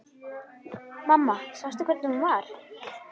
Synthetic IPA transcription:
mamːasast̪ʏkʰɛɾt̪nhunvaɾ̥

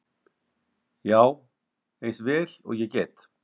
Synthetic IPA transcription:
jaːw | ejsvɛːlɔ̰ɣjɛcɛːt̪

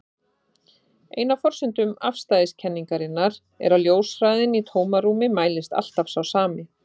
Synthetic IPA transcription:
ḛːjnafɔr̥sʏnt̪ʏmafst̪ajɪscʰɛnːiŋkaɾɪnːaɾ | ɛ̰ɾawljoːwsfɾajðɪnit̪ʰoːwmaɾuːmɪmaːjlɪst̪a̰l̥t̪afsawsaːmɪ

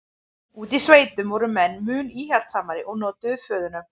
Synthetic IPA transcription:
uːt̪isveːjt̪ʏmvɔɾʏmɛnːmʏːniːhɛl̥t̪saːmaɾɪʔɔɣnɔːt̪ʏfœːðʏnʏm

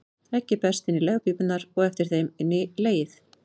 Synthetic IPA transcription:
θɾɛhcːɪpɛ̥st̪ɪnːɪlɛɣapiːpʏt̪naɾɔɣɛft̪ɪɾ̥θejmɪnːɪleːjɪθ

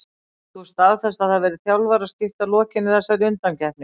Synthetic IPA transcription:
θuɛst̪aðθɛst̪aðavvɛːɾɪðθjawlvaɾascɪft̪alɔːcɪnːɪθɛsːaɾʏnt̪ancɛhpnɪ

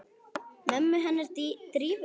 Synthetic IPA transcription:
mɛmːʏɦɛnːaɾ̥t̪it̪ɾiːv

